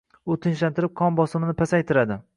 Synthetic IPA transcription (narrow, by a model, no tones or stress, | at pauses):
ʊt̪ʰɪnʃ̬lant̪ɪɾɪp̚qʰɒnbɒsɪmɪnɪpʰasajt̪ʰɪɾad̪ɪ